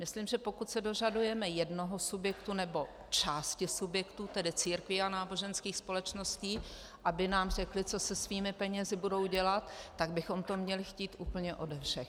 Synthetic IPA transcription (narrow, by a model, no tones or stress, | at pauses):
mɪslimʒɛpo̞kut̪sɛdo̞ʒadujɛmɛjɛdnoɦosubjɛkt̪unɛbo̞ | t͡ʃaːscɪsubjɛkt̪uːt̪ɛdɪt͡siːɾkvɪanaːbo̞ʒɛnskiːxspo̞lɛt͡ʃno̞sciː | ʔabɪnaːmr̝ɛklɪt͡so̞sɛsviːmɪpɛɲɛzɪbudo̞wɟɛlat̪ːaɡ̚bɪxo̞mt̪o̞mɲɛlɪxciːt̪ʔuːpl̩ɲɛʔo̞dɛfʃɛx